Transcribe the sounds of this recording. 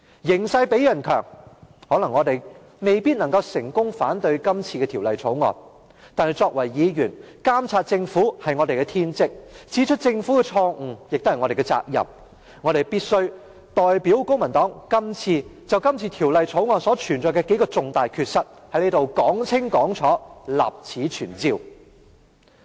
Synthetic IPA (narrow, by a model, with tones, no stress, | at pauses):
jɪ˨˩ŋsɐ˧jpe˨˥jɐ˨˩nkʰœː˨˩ŋhɔː˨˥lɐ˨˩ŋːɔː˨˧t̪e˨j | me˨jpiː˥t̚nɐ˨˩ŋkɐ˧wsɪ˨˩ŋkʊ˥ŋfaː˨˥nt̪ɵ˧ɥkɐ˥mt͡sʰiː˧kɛː˧t̪ʰi˨˩wlɐ˨jt͡sʰo˨˥wŋɔ̰ː˨˩n | t̪aː˨˧nhɐ˨jt͡sɔː˧k̚wɐ˨˩jːiː˨˧jyː˨˩n | kaː˥mt͡sʰaː˧t̚t͡sɪ˧ŋfuː˨˥hɐ˨jŋɔː˨˧te˨jkɛ˧t̪ʰiː˥nt͡sɪ˥k̚t͡siː˨˥t͡ʃʰɵ˥t̚t͡sɪ˧ŋfuː˨˥kɛ˧t͡ʃʰɔː˧ŋ̩˨˩jɪ˨k̚t̪o˥hɐ˨˩ŋɔ˨˧ɾe˨jkɛ˧t͡sa̰ː˧k̚jɐ̰˨m | ŋɔː˨˧ɾe˨jpiː˥t̚sɵ˥ɥ | t̪ɔː˨jpi˨˥wkʊ˥ŋmɐ˨˩nt̪ɔː˨˥ŋkɐ˥mt͡sʰiː˧t͡sɐ˨wkɐ˥mt͡sʰiː˧t̪ʰiː˨˩wlɐ˨jt͡sʰo˨˥wŋɔː˨nsɔː˨˥t͡ʃʰyː˨˩nt͡sɔː˨jkɛ˧ke˨˥jkɔː˧t͡sʊ˨ŋt̪aː˨jkʰyː˧t̚sɐ˥t̚hɐ˨˥jle˨˥t̪o˨wkɔː˨˥ŋt͡sʰɪ˥ŋkɔː˨˥ŋt͡ʃʰɔː˨˥la̰ː˨˩p̚t͡sʰiː˨˥t͡ʃʰyː˨˩nt͡siː˧w